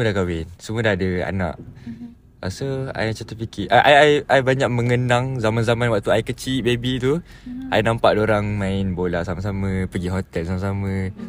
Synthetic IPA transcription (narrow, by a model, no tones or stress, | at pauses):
səmuədahkawɪnsəmuədahadəa̰na̰ʔ | a̰soa̰jt͡ʃat̪əpikiʔaʔajajʔajbaɲaʔ̚mə̃ŋənaŋzamanzamanwaʔ̚t̪uajkət͡ʃiʔbebit̪u | ajnampaʔdoɾaŋmãɪnbolaʔsamas̬amə̃pəɡiɦɔt̪ɛlsamasamə̃